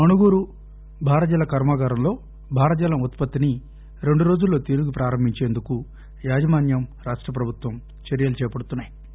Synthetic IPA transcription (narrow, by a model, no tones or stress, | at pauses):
ɐnuɡuːɾu | bʱaːɾɐd͡ʒɐlɐkɐɾmaːɡaːɾɐmlo̞ː | bʱaːɾɐd͡ʒɐlɐmut̪pɐt̪ːini | ɾe̞ɳɖuɾo̞ːd͡ʒulːo̞ːt̪eɾuɡupɾaːɾɐmbʱiɲt͡ʃe̞ːnd̪uku | jaːd͡ʒɐmaːnjɐmɾaːʂʈɾɐp̬ɾɐbʱut̪ʋɐm | t͡ʃɐɾjɐlut͡ʃɛːjɐpɐɽut̪unːaːji